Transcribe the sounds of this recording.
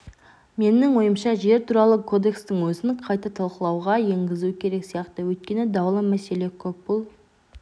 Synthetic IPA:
me̞nɪŋwo̞jəmʃɑʒe̞ɾt̪ʰuɾɑlˠəkʰo̞d̪e̞kst̪ɪŋwɵzɪnqʰɑjt̪ɑt̪ʰɑlˠqəlˠɑwʁɑje̞ŋɡʲɪzukʲʰe̞ɾe̞ksijɑqt̪əwɵjt̪̚kʲe̞nɪd̪ɑwlˠəmæse̞le̞kʲʰɵp̚bʊlˠ

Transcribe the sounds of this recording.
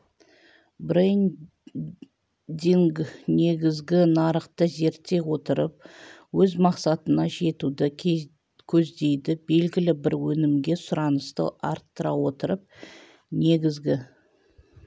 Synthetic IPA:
bɾen | d̪iŋɡne̞ɡʲɪzɡʲɪnɑɾəqt̪əze̞ɾt̪ːe̞wo̞t̪əɾəp̚wɵzmɑqsɑt̪ənɑʒe̞t̪ud̪ɪ | kʲʰɵzd̪e̞jd̪ɪbe̞lɡʲɪlɪbɪɾwɵnɪmɡʲe̞sʊɾɑnəst̪ə̰ʔɑɾt̪ːəɾɑwo̞t̪əɾəp̚ | ne̞ɡʲɪzɡʲɪ

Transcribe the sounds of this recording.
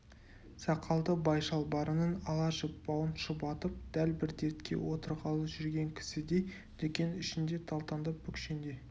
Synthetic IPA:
sɑqʰɑlˠd̪əbɑjʃɑlˠbɑɾənənɑlˠɑʒəpːɑwənʃəpɑt̪əp̚d̪̥ælbɪɾd̪e̞t̪kʲe̞̰wo̞t̪əɾʁɑlˠəʒʏɾɡʲe̞ŋkʲʰɪ̥sɪd̪ej | d̪̥ekʲe̞nɪʃɪnd̪e̞t̪ʰɑlˠt̪ɑnd̪əp̚bʏkʲʰʃend̪e̞

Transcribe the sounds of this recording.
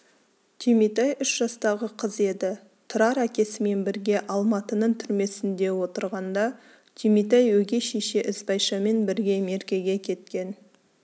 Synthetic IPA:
t̪ʰimijt̪ɑjʏʃʒ̥ɑst̪ɑʁəqʰəze̞d̪ɪ | t̪ʰʊɾɑɾækʲe̞sɪme̞nbɪɾɡʲe̞ʔɑlˠmɑt̪ənəɴt̪ʰʏɾme̞sɪnd̪e̞wo̞t̪əɾʁɑnd̪ɑ | t̪ʰimit̪̬ɑjwɵɡʲe̞ʃe̞ʃe̞ʔɪzbɑjʃɑme̞nbɪɾɡʲe̞me̞ɾkʲe̞ɡʲe̞kʲʰe̞t̪kʲe̞n

